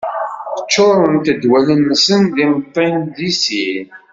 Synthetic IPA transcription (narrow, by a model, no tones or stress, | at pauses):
θə̥t͡ʃːoɾˤənt̪əd̪wælənːəsənðimət̪ˤːend̪isin